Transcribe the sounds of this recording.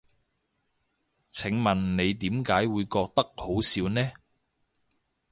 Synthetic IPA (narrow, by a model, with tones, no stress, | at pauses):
t͡sʰɪ˨˥ŋmɐ˨˩nne˨˧jt̪iː˨˥mkaː˨˥jwuː˨˧jkɔː˧k̚t̪ɐ˥k̚ho˨˥wsiː˨˧wnɛː˥